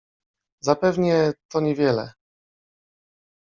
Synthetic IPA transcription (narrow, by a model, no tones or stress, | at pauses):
zapɛvɲɛt̪ɔɲɛvʲjɛlɛ̰